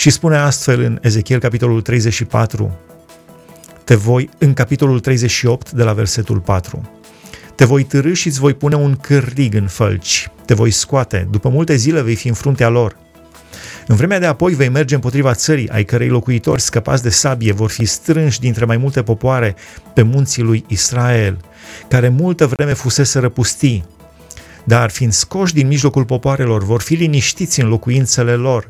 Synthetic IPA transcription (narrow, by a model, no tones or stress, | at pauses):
ʃispune̞ast̪fe̞lɨne̞ze̞kʲie̞lkapit̪o̞lult̪ɾe̞jze̞t͡ʃʃipa̰t̪ɾṵ | t̪e̞vo̞jɨŋkapit̪o̞lult̪ɾe̞jze̞ʃio̞pt̪d̪e̞lave̞̰rse̞t̪ulpat̪ɾṵ | t̪e̞vo̞jt̪ɨɾɨʃit̪sʲvo̞jpune̞uŋkɨrːiɡɨnfə̰lt͡ʃʲt̪e̞vo̞jskoat̪e̞̰d̪upəmult̪e̞zile̞ve̞jfiɨnfɾunt̪ealo̞r | ɨnvɾe̞mead̪e̞apo̞jve̞jmerd͡ʒe̞ɨmpo̞t̪ɾivat̪səɾḭʔa̰jkəɾejlo̞kuit̪o̞̰rʲskəpa̰t̪sʲd̪e̞sabie̞vo̞rfist̪ɾɨnʃʲd̪int̪ɾe̞majmult̪e̞po̞poaɾe̞ | pe̞munt̪silujisɾae̞l | kaɾe̞mult̪əvɾe̞me̞fuse̞seɾəpust̪i | d̪arfind̪̥sko̞ʃ̬ʲd̪inmiʒlo̞kulpo̞poaɾe̞lo̞rvo̞rfiliniʃt̪it̪sʲɨnlo̞kuint̪se̞le̞lo̞r